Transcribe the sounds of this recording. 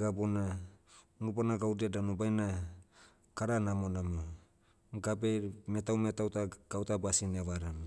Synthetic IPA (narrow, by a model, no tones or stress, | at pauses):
ɡabona | nubanaɡawdiadanubajna | kaɾanamonamo | ɡabemetawmetawtaɡ̥awtabasineaβaɾam